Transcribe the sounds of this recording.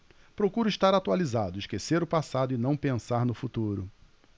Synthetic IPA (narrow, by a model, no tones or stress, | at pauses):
pɾokuɾʊiʃt̪aɾat̪ualizad̪ʊiʃkeseɾʊpasad̪ʊɪnɐ̃w̃pẽsaɾnʊfut̪uɾʊ